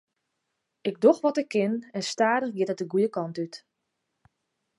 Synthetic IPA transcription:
ɪɡ̚doxʋɔtɪkʰːɪnɛnstaːdəxɡɪtɛt̚dəɡujəkɑntyt

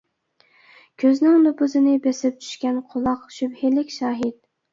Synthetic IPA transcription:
kʲʰøznɪŋnopʰʊzɨnɪbesɪp̚t͡ʃʰy̥ʃkʲɛnqʰʊlˠɑqʃybhɪlɪkʲʃɑːɦɪt̪̚

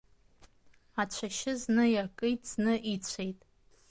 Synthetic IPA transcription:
at͡ɕʷʰaʃɪznɨjakʼɨjtʼz̥nɨʔit͡ɕʷʰejtʼ

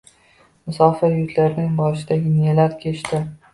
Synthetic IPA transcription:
mʊsɒfajʊt̪laɾɪnɪŋbɒɾɪʃɪd̪aɡʲɪnelaɾkʲʰet͡ʃt̪ʰɪ

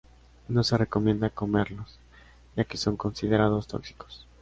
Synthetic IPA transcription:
no̞se̞re̞ko̞mje̞nd̪ako̞me̞ɾlo̞s | ʝake̞so̞ŋko̞nsiðe̞ɾaðo̞st̪o̞̰ksi̥ko̥s

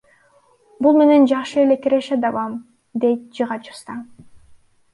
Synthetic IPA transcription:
bulˠme̞ne̞nd͡ʒɑχʃɯele̞kiɾeʃed̪ɑβɑm | d̪e̞jt̪̚d͡ʒɯʁɑt͡ʃu̥st̪ɑ

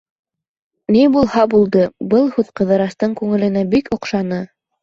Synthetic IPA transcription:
nibulˠhɑbulˠd̪ɤbɤlˠhʉðqɤ̆ðɤ̆ɾɑst̪ɤɴkʉŋɘ̆lɘ̆næbikŏqʃɑnɤ

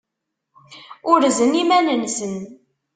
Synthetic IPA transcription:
ʊɾzənimænənsən

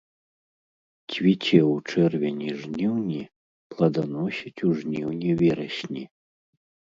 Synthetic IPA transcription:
t͡sʲvʲit͡sʲɛwut͡ʂɛrvʲɛnʲiʐnʲiwnʲi | plˠɐd̪anɔsʲit͡sʲuʐnʲiwnʲivʲɛɾɐɕʲnʲi

